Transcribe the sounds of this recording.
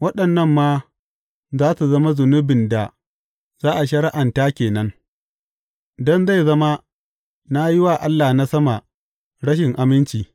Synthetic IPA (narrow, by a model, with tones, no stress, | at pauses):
wɐ˦ɗɐ˨nːɐ˦mːaː˦ | zaː˦su˨zɐ˦ma˦zʊ˨nʊ˦bɪ˨nda˨ | zaː˦ʔa˨ʃɐ˨ɾɪ˦ʔa˨ntaː˦kʲeː˨nɐ˦ŋ | dɔ˦nza˦˨jzɐ˦ma˦ | na˦ji˦waː˨ʔa˦lːaː˨na˦sɐ˦ma˨ | ɽɐ˦ʃ̬ɪ˨ŋʔa˨mɪ˦nt͡ʃiː˨